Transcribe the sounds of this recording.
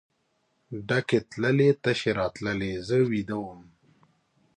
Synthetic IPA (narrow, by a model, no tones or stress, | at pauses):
ɖaket̪ləlet̪əʃeɾɑt̪ləlezəwid̪awəm